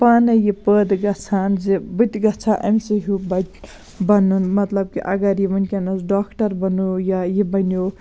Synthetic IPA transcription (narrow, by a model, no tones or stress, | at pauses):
paːnɐjipəd̪ɡɐt͡sʰaːnzibɨt̪ʲɡɐt͡sʰaʔɐmsiɦubɐʈ | bɐnunmɐt̪lɐb̚kiʔɐɡɐɾjimɐnkʲenɐsɖaːkʰʈɐɾbɐnujajibɐnjo